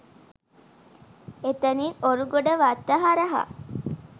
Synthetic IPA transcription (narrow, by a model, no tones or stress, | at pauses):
et̪ɐniːoɾuɡoɖəʋat̪ːɐɦaɾɐɦa̰